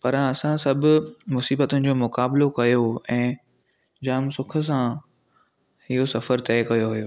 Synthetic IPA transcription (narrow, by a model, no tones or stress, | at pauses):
pɐɾãɐsãsɐbʱʊmʊsiːbət̪ʊnɪ̆d͡ʑoːmʊkaːblokɐjoɛ̃ː | d͡ʑaːmsʊkʰə̆s̬ã | hɪɦosɐfəɾt̪ɛːkɐjoɦujoː